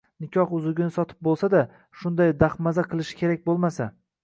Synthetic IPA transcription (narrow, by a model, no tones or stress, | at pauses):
nɪkʲʰɒχʊzʊɡʲɪnɪsɒt̪ʰɪ̥p̚bolˠsad̪a | ʃʊnd̪ajd̪aχmazaqʰɨlˠɪʃɪ̥kʲʰe̞ɾak̚ʲbolˠmasa